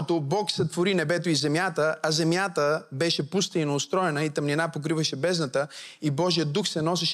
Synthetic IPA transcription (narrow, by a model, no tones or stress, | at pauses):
t̪obɔksɐt̪voɾinɛbɛt̪oizɛmjat̪əɐzɛmjat̪əbɛʃɛpust̪əinɐʊst̪ɾɔɛnəit̪ɐmninapok̬ɾivɐʃɛbɛznət̪əibɔʒijəd̪uxsɛnɔs̬ɛʃ